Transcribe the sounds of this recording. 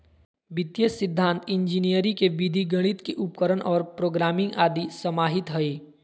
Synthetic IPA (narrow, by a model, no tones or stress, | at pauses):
bɪt̪jəsɪd̪ʱːãːnt̪ɪ̃nd͡ʒinijəɾikeʋid̪ʱiɡɐɽ̃ɪt̪keʔʊpkəɾəɳʔɔːɾpɾoːɡɾaːmɪ̃ŋɡaːd̪isɐmaːɦɪt̪ɦɐeː